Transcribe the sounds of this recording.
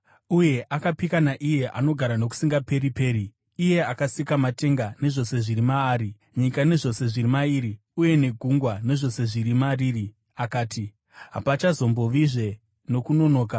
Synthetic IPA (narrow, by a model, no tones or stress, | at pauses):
uje̞ʔakapikanaʔije̞ʔa̰no̞ɡʱaɾano̞k̬u̥siŋɡape̞ɾipe̞ːriː | je̞akasikamate̞ŋɡane̞ʐo̞se̞ʐiɾimaːɾi | ɲikane̞ʐo̞se̞ʐiɾimaiːɾi | uje̞ne̞ɡʱuŋɡwane̞ʐo̞se̞ʐiɾimariːri | akaːti | ɦa̰pat͡ʃazo̞mbo̞ʋiʐe̞ | no̞kuno̞no̞ːka